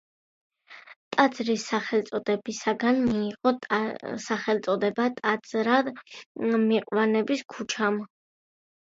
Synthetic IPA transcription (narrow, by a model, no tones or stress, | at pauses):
t̪ʼad̪zɾisːaχɛlˠt̪sʼɔd̪ɛbisaɡanmiːʁɔsaχɛlt̪sʼɔd̪ɛbat̪ʼad̪zɾad | miqʼwanɛbiskʰut͡ʃʰam